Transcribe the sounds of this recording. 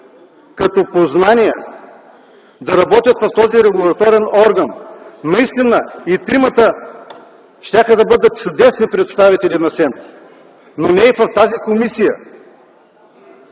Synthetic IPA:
kɐt̪ɔpoznanijɛ̰ | d̪ɐɾɐbɔt̪ʲjət̪vɐft̪ɔziɾɛɡʊlˠɐt̪ɔɾɛnɔɾɡɐnːɐist̪inəit̪ɾimət̪ə | ʃt̪ʲaxəd̪ɐbɤd̪ət̪̚t͡ʃʊd̪ɛsnipɾɛt̪st̪avit̪ɛlinɐsɛnt̪ | nonɛɛfɐft̪azikomisijə̰

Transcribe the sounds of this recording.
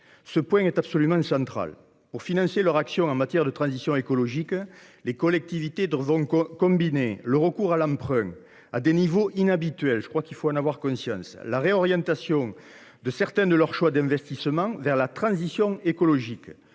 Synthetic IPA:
səpwɛ̃ŋɛt̪absolymɑ̃sɑ̃nt̪χa̰l | puʁfinɑ̃selœʁaksjɔ̃ɑ̃mat̪jɛʁd̪ət̪χɑ̃zisjɔ̃ekɔlɔʒik | lekɔlɛk̚t̪ivit̪evɔ̃kɔ̃mbineləʁəkuʁalɑ̃mpχɛ̃ | ad̪enivoʔinabit̪ɥɛlʒəkχwakilfoɑ̃navwaʁkɔ̃sjɑ̰̃slaʁeɔʁjɑ̃t̪asjɔ̃ŋ | d̪əsɛʁt̪ɛ̃nd̪əlœʁʃwad̪ɛ̃vɛst̪isəmɑ̃vɛʁlat̪χɑ̃zisjɔ̃ekɔlɔʒik

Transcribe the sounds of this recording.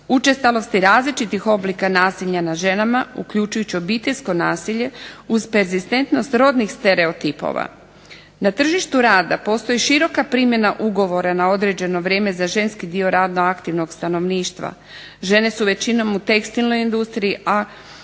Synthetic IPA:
ut͡ʃe̞st̪alo̞st̪iɾaːzlit͡ʃit̪ixo̞blikanaːsiʎanaʒe̞namaukʎut͡ʃujut͡ɕio̞bit̪e̞ʎʲsko̞naːsiʎe̞uzpe̞ɾzist̪e̞nt̪no̞st̪ɾo̞ːd̪nixst̪e̞ɾe̞o̞t̪ipo̞̰ʋa̰ | nat̪r̩ʒiʃt̪uɾaːd̪apo̞ːst̪o̞jiʃiɾo̞kapɾiːmje̞naʔuɡo̞ʋo̞ɾanao̞d̪ɾe̞d͡ʑe̞no̞ʋɾʲje̞ːme̞zaʒe̞nskid̪io̞ɾaːd̪no̞akt̪iʋno̞ɡst̪ano̞ʋniːʃt̪ʋa̰ | ʒe̞ne̞suʋe̞t͡ɕino̞mut̪e̞kst̪ilno̞jind̪ust̪ɾiiʔa

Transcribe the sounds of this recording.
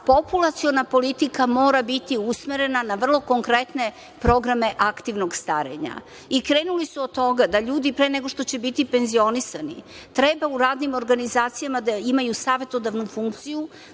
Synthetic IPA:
po̞pulˠat̪sio̞napo̞lit̪ikamo̞ːɾabit̪iusmeɾe̞nanaʋr̩lˠo̞ko̞ŋkɾet̪ne̞ | pɾo̞ɡɾame̞ʔakt̪iʋnoɡst̪aɾḛɲa̰ | ikɾe̞ːnulisuod̪t̪ːo̞ɡad̪aʎuːd̪ipɾeːneɡo̞ʃt̪o̞t͡ɕe̞bit̪ipe̞nzio̞nisanḭ | t̪ɾebauɾaːd̪nimo̞ɾɡanizaːt̪sijamad̪aimajusaːʋe̞t̪o̞d̪aʋnufuŋk̚t̪siju

